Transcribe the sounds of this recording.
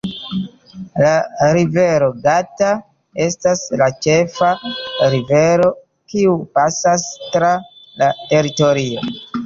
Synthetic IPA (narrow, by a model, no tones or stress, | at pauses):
laɾive̞ɾo̞ɡata | e̞staslat͡ʃe̞faɾive̞ɾo̞ | kiupasastɾa | late̞ɾito̞ɾio̞̰